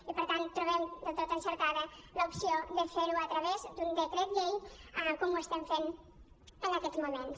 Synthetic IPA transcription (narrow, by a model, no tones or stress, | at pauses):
ipəɾt̪ant̪ːɾuβɛmd̪ət̪ot̪ənsəɾkaðələupsioðəfeɾuət̪ɾəβezd̪und̪əkɾɛt̪ʎejəkɔmuəst̪ɛmfen | ənəkɛzmumens